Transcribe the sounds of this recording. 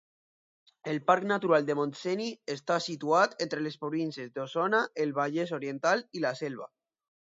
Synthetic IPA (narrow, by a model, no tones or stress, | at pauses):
elpaɾknat̪uɾald̪emonseniest̪asit̪uat̪ent̪ɾelespɾoβinsezd̪osonaelβ̞aʎes̬oɾjent̪alilaselβ̞a̰